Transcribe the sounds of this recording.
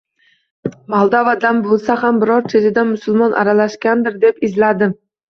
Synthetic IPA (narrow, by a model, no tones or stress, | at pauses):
malˠd̪avad̪anbolˠsaɦambɪɾɒɾt͡ʃʰed͡ʒ̪ɪd̪anmʊsʊlˠmɒnʔa̰ɾalaʃkʲand̪ɪɾd̪e̞pɪzlad̪ɪ